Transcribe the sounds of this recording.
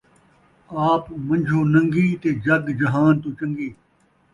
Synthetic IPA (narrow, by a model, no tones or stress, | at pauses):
aːpmɐ̃ɲʲd͡ʒʱoːnɐ̃ŋɡiːt̪eːd͡ʑɐɡd͡ʒɐɦaːnt̪ut͡ɕɐ̃ŋɡiː